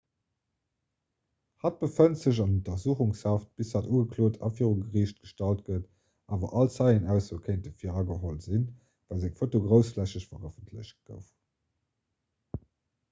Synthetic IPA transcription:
hɑt̚b̥əfəntz̥əʑ̬ɑnontɐzuːχuŋshɑːft̚b̥isaːtuːɡəkʰloːtʰɑ̰fiːʁuŋɡəʁiːɕt̚ɡ̥əʃtɑlt̚ɡət | ʔaːvɐ̰ʔɑlt͡sɑɪənæʊsokʰeɪntəfiːʁɑɡəɦolz̥in | væːlzɛkfotoɡʁəʊsflæɕəɕfɐʁəfəntʰlə̰ɕt̚ɡ̥ə̰ʊf

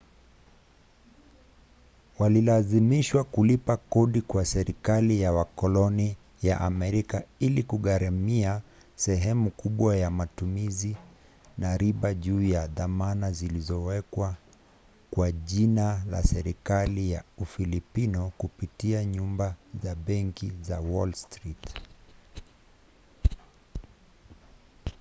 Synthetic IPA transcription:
walilazimiʃwakulipakɔɗikwasɛɾikalijawakɔlɔni | jaʔamɛɾikailikuɠaɾamia | sɛɦɛmukʰuɓwajamatumizi | naɾiɓaʄuːjaðamanazilizɔwɛkwa | kwaʄinala̰sɛɾikalijaufilipinɔkupitiaɲumbazaɓɛŋkizawɔlstɾit

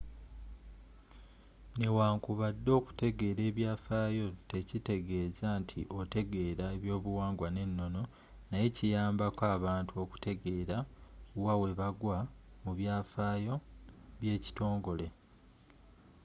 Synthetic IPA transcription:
ne̞waːŋkuβadːo̞ːku̥te̞ɡe̞ːɾe̞ːβjaːfaːjo̞te̞cite̞ɡe̞ːzantʰḭʔo̞te̞ɡe̞ːɾaeβjo̞ːβuwaːŋɡwane̞nːo̞no̞ | naje̞cijaːmbakaːβaːntʰuo̞ku̥te̞ɡe̞ːɾauwawe̞βaɡwamuβjaːfaːjo̞βje̞ːci̥to̞ːŋɡo̞le̞

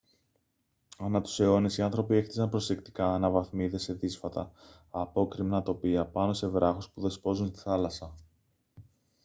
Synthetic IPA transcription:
ɐnɐt̪u̥se̞o̞nesiɐnθɾo̞pie̞xt̪isɐnpɾo̞se̞kt̪i̥kɐːnɐvɐθmiðe̞se̞ðisfɐt̪ɐ̰ː | po̞kɾimnɐt̪o̞piɐpɐno̞se̞vɾɐxospuðe̞spo̞zunst̪i̥θɐlɐsɐ

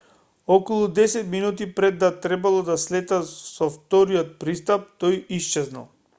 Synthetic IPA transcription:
ɔkɔlˠud̪ɛsɛt̪minut̪ipɾɛd̪ːat̪ɾɛbalˠɔd̪aslɛt̪asɔft̪ɔɾiɔt̪̚pɾist̪ap̚t̪ɔjist͡ʃɛzna̰lˠ

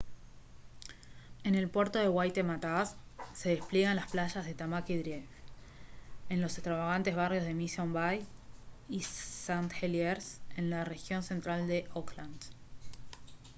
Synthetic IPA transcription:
e̞ne̞lpweɾt̪o̞ðe̞ɣwajt̪e̞mat̪asːe̞ðe̞splje̞ɣanlasplaʃazðe̞t̪amakiðɾjeβ | enlo̞se̞st̪ɾaβaɣ̞ant̪e̞zβarjo̞zð̞e̞misombaj | isant̪xeljeɾsenlare̞xjo̞nse̞nt̪ɾald̪e̞ʔokland̪

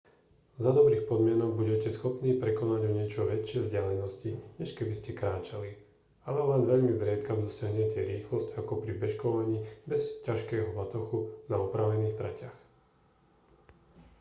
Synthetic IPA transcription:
zad̪ɔbɾiːxpɔd̪mɪɛnɔɡ̚buɟɛcɛsxɔpniːpɾɛkɔnaɟɔɲɪɛt͡ʃɔʋɛt͡ʃːɪɛvzɟɪalɛnɔsciɲɛʃkɛbiscɛkɾaːt͡ʃali | alɛʋaːnʋɛʎmizɾɪat̪kamd̪ɔsɪaɦɲɛcɛɾiːxlɔscakɔpɾibɛʃkɔʋaɲiːbɛscaʃkɛːɦɔbat̪ɔxunaɔpɾaʋɛniːxt̪ɾacax

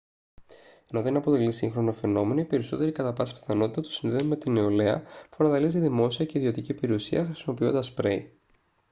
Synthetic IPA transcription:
e̞no̞ðe̞nɐpo̞t̪e̞lisḭŋxɾo̞nofe̞no̞me̞noipe̞ɾiso̞t̪e̞ɾikɐt̪ɐpɐsi̥pi̥θɐno̞t̪i̥t̪ɐt̪u̥sinðeme̞t̪ineole̞ɐ̰pu̥ɐnɐðɐliziðimo̞siɐce̞iðio̞t̪icipe̞ɾiusiɐxɾisimo̞pio̞nd̪ɐspɾe̞̰i

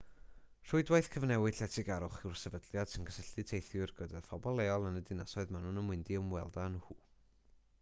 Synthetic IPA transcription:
r̥ʊɨdwajθkʰəvnɛwɨd̥ɬɛtʰɪɡaɾʊχɪwrsɛvədlˠjad̥sinɡʰəsəɬɨtʰejθjʊrɡ̥ədafɔbɔlˠeɔlˠənədɪnasɔɨðmanunəmwɪndiəmwɛ̰lˠdanhuː

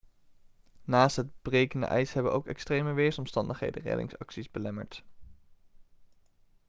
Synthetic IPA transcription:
naːstɦəd̚b̥rejkəndə̰ʔɛjsɦɛbənʔowkɛkstrejməʋeːɹsɔmstɑndəχɦḛjdə̰rɛ̰dɪ̰ŋsɑ̰ksizbəlɛmə̰ɹt

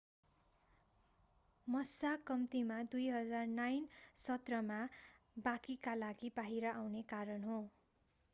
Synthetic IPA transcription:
mʌsakʌmt̪imad̪ujɦʌd͡zarnajnsʌt̪rʌma | bakikalaɡibaɦiɾʌʔawnekaɾʌnɦõ

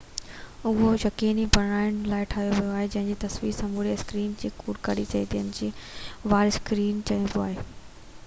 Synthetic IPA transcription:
ʊɦojɐkiːnibɐɽɽ̃aːɪɽ̃laːɪʈʰaːɦijoʋijoaːɦed͡ʑɐ̃ɦɪ̃ɲd͡ʑiːt̪ɐsʋiːsɐ̃mbʱuɽiɐskɾiːnd͡ʑeːkuːɽkɐɽit͡ɕɐet̪iɦənɪd͡ʑiːʋaːɾɪskɾiːnt͡ɕɐɦĩnd̪oaːɦeː

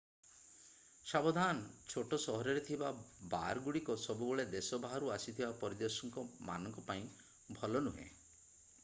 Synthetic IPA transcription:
sabɔd̪ʱant͡ʃʰoʈɔsɔɦɔɾɔɾet̪ʰibaba̰ɾɡuɽikɔsɔbubɔɭed̪esɔbaɦɔɾuasit̪ʰibapɔɾid̪ɔsɔŋkɔma̰nɔŋkɔpaĩ | bʱɔlɔnuɦḛ̃

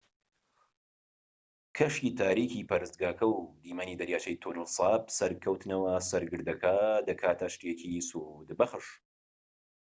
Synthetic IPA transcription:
kʰɐʃiːt̪ʰaːɾikʰipɐɾɨst̪ɡaːkʰɐwd̪iːmaniːd̪ɐɾjaːt͡ʃʰɐjt̪ʰonɨlsˤɑːbsɐɾkʰɐwt̪ɨnɐwɐsɐɾɡɨɾd̪ɐkʰaːd̪ɐkʰaːt̪ʰɐʃt̪jekʰisuhud̪bɐxɨʃ

